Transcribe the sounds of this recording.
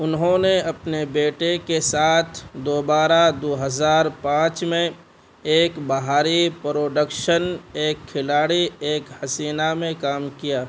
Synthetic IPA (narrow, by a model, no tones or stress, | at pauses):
ʊnɦõneɐpnebeːʈekesaːt̪ʰd̪oːbaːɾad̪oːɦəzaːɾpãːt͡ʃmẽ | eːkbɐɦaːɾipɾoːɖəkʃəneːkʰːɪlaːɽieːkhɐsiːnamẽkaːmkijaː